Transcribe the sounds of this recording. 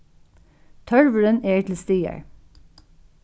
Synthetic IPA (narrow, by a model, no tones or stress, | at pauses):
t̪ʰœɹʋəɹəneːtʰl̩st̪iːə̰ɹ